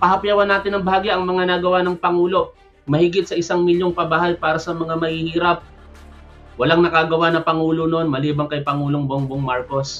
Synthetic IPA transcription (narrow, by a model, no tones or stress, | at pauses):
pɐɦhɐpjawɐnːaːt̪ɪnɐŋbɐhaːɡɪʔɐŋmɐŋanaɡɐwanɐŋpɐŋuːlo̞ | mɐhɪɡɪt̪̚sɐʔɪsaŋmɪljoŋpɐbahajpaːɾɐsɐmɐŋamɐhihiːɾɐp̚ | wɐlaŋnɐkaɡɐwanɐŋpɐŋuːlo̞nonmɐliːbɐŋkɐjpɐŋuːlo̞ŋboŋboŋmaɹko̞s